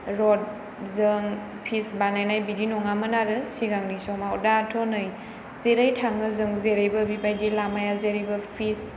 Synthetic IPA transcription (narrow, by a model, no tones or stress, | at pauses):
ɾɔd̚ | zɯŋ | pʰisbanajnajbidinɔŋamənaɾɯsiɡaŋnisɔmawdatʰɔnɯj | zeɾajtʰaŋɯzɯŋzeɾɯjbɐbipajdilamajazeɾibɐpʰis